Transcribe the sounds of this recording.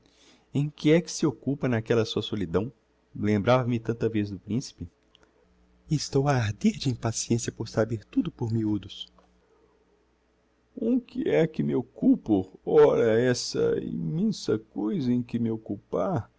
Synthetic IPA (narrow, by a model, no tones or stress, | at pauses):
ẽj̃kɪɛkɪ̥sɪokupɐnakɛlɐsuɐsolid̪ɐ̃w̃ | lẽmbɾavɐmɪt̪ɐ̃nt̪ɐvezd̪ʊpɾĩsi̥pɪ | est̪owaaɾd̪eɾd͡ʒɪĩpasiẽsijɐpoɾsabeɾt̪ud̪ʊpoɾmiud̪ʊs | ũkɪɛkɪmɪokupʊɔɾɐɛsɐ̰ḭmẽsɐkojzɐẽj̃kɪmɪokupaɾ